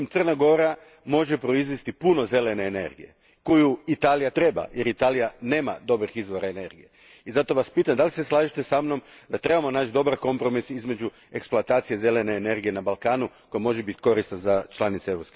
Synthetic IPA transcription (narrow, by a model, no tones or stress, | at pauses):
mt̪sərnaɡo̞ɾa | mo̞ʒe̞pɾo̞izʋist̪ipuno̞ze̞le̞ne̞ːne̞̰ɾɡije̞̰ | kojuit̪aːlijat̪ɾe̞ba̰jeɾit̪aːlijane̞ːma̰d̪o̞bɾixizʋo̞ɾaene̞ɾɡije | izat̪o̞ʋaspiːt̪amd̪aliseslˠaːʒit̪esamno̞md̪at̪ɾe̞bamo̞naːt͡ʃd̪o̞baɾko̞mpɾo̞misizme̞d͡ʒu | e̞ksploat̪aːt̪sije̞ze̞le̞ne̞ːne̞ɾɡije̞nabalˠkaːnuko̞jamo̞ʒebit̪ko̞ɾist̪nazat͡ʃlˠanit̪seeʋɾopske